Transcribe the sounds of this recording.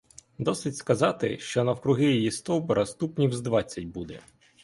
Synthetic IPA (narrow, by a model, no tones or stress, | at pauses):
d̪ɔsɪtʲskɐzɑt̪ɪʃt͡ʃɔnɐwkɾʊɦɪjjist̪ɔwbɔɾʔɐst̪upnʲiwzd̪ʋɑt͡sʲːɐt̚ʲbud̪ɛ̰